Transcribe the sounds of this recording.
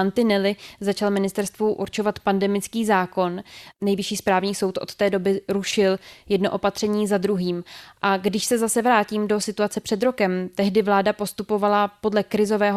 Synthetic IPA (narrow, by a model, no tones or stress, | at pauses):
ant̪ɪnɛlɪzat͡ʃalmɪnɪst̪ɛɾst̪vuʔṵɾt͡ʃo̞vat̪pandɛmɪt͡skiːzaːko̞nnːɛjvɪʃiːspɾaːvɲiːso̞wt̪ʔo̞̰t̪t̪ɛːdo̞bɪɾuʃɪljɛdno̞ʔo̞pat̪r̥ɛɲiːzad̪ɾuɦiːmʔaɡdɪʃsɛzasɛvɾaːciːmdo̞sɪt̪uat͡sɛpr̥ɛd̪ɾo̞kɛmt̪ɛɦdɪvlaːdapo̞st̪upo̞valapo̞dlɛkɾɪzo̞vɛːɦ